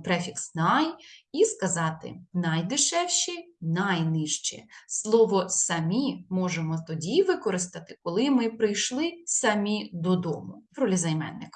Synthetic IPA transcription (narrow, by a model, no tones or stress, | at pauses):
t̪ɾɛfʲiksnɑjiskɐzɑt̪ɪ̰nɐjd̪ɪʃɛwʃinajnɪʃt͡ʃɛ̰slˠɔʋɔsɐmʲimɔʒemɔt̪ɔdʲiʋɪkɔɾɪst̪ɐt̪ɪ̥kɔlˠɪmɪpɾɪjʃlˠɪsɐmʲid̪ɔd̪ɔmʊɾɔlʲizɐjmɛ̰nːɪ̰k